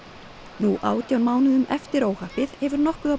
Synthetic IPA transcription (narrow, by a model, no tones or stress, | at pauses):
nuʔaːwt̪jawnmaːwnɪðʏmɛft̪ɪɾoːwhahpɪð̥hɛvʏɾnɔhkʏða